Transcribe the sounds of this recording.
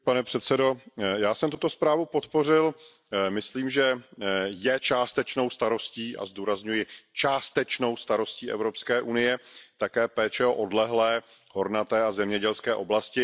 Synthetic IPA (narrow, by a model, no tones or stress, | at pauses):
panɛpr̥ɛt̪sɛdo̞jaːsɛmt̪ut̪o̞spɾaːvupo̞t̪po̞r̝ɪl | mɪsliːmʒɛ | jɛt͡ʃaːst̪ɛt͡ʃno̞wst̪aɾo̞sciːʔa̰zd̪uːɾazɲujɪt͡ʃaːst̪ɛt͡ʃno̞wst̪aɾo̞sciːʔɛ̰vɾopskɛːʔunɪjɛt̪akɛːpɛːt͡ʃɛoʔo̞dlɛɦlɛː | ho̞ɾnat̪ɛːazɛmɲɛɟɛlskɛːʔo̞blascɪ